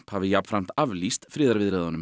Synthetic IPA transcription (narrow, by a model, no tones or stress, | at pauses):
phavɪjapfɾam̥t̪avlist̪fɾɪːðaɾvɪðɾɛːðanʏm